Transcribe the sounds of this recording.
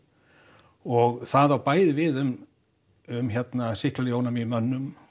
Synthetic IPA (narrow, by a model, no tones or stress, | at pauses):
ɔɣθaðawpaːjðɪvɪðʏm | ʏmçɛt̪nasɪhklaljownamimœnːʏm